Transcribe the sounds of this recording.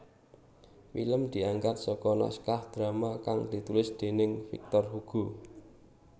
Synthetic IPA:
fḭləmd̪̥i̤aŋɡat̪̚sɔkɔna̰skahd̪̥ɾamakaŋd̪̥i̤t̪ulɪsd̪̥e̤nɪŋfḭk̚t̪ɔrhuɡ̥u

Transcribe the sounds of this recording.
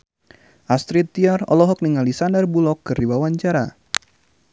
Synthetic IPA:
ʔast̪ɾit̪ːiarɔ̰lɔɦɔk̚niŋalisandərbulɔkːɨrdibawaɲt͡ʃaɾa

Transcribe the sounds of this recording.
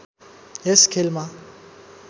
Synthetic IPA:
jɛskʰelma

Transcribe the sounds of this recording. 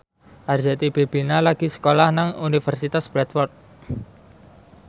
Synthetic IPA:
ʔard͡ʒat̪ib̥eb̥i̤nalaɡ̥isə̥kolahnaŋunifərsit̪asb̥ɾɛt̪wɔrt̪̚

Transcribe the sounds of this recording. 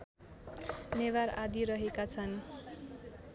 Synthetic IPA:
newaɾad̪iɾʌɦekat͡sʰʌn

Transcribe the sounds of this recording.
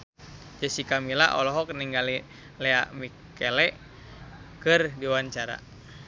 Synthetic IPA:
d͡ʒəsikamila̰ʔɔ̰lɔɦɔkniŋɡali | lɛa̰ʔmi | kɛlɛʔ | kərdiwaɲt͡ʃaɾa̰

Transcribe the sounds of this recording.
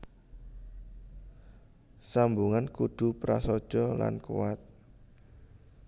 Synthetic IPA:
sambuŋankuɖ̪̥ṳpɾa̰sɔd̥ʒ̥ɔla̰nkṵwat̪̚

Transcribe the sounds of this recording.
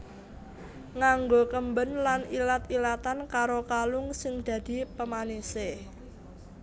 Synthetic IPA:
ŋaŋɡokəmbənlanilat̪ilat̪ankaɾokalʊŋsɪŋd̪̥ä̤d̪̥i̤pəmanise

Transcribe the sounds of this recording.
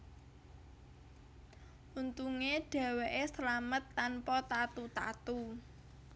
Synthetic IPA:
ʔunt̪uŋeɖ̥ä̤weʔesəlamət̪ːanpɔt̪at̪ut̪at̪u

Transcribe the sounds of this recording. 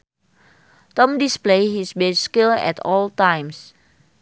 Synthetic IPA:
tɔ̃mdisplehisbɛskilɛ̰tʰɔltãj̃ms

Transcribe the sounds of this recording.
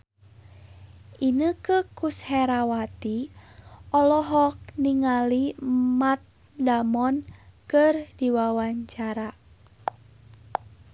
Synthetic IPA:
inəkəkushɛɾawat̪i | ɔlɔɦɔk̚niŋalimat̪̚ | damɔnkərdiwawaɲt͡ʃaɾa

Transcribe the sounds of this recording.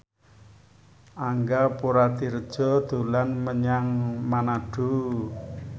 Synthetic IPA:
ʔaŋɡapuɾat̪iɾəd̥ʒ̥ɔ̤d̪̥ṳlanməɲaŋmanaɖ̥u

